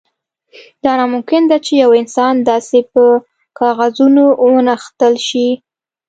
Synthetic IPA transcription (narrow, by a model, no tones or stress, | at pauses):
d̪̥ɑnɑmʊmkɪnd̪at͡ʃejawɪnsɑnd̪ɑsepə | kɑɣazunoʔwənaxt̪əlʃi